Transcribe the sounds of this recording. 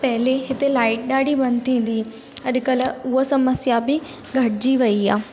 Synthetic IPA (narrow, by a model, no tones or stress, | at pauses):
pɐɦɪleɦɪt̪elaːɪʈ̚ɗaːɽʱibɐ̃nd̪t̪ʰĩːn̆d̪i | ɐɗkəlʊɦosɐməsjabɪ | ɡʱɐʈd͡ʑiʋɐiaː